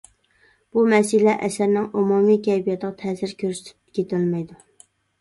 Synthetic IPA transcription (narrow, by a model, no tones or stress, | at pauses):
b̥umɛsɪlɛʔɛsæɾnɪŋomumikʲʰɛjbijɛt̪ʰəʁɑt̪ʰɛːsɪɾkʲʰøɾsy̥t̪ʰy̥kʲʰet̪ʰɪlmɛjd̪u